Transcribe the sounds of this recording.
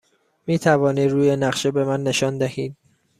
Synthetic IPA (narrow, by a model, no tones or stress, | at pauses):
miːt̪ʰævɒːniːd̪ɾuːje̞næɢʃebe̞mænːe̞ʃɒːnd̪æhiːd̪̥̚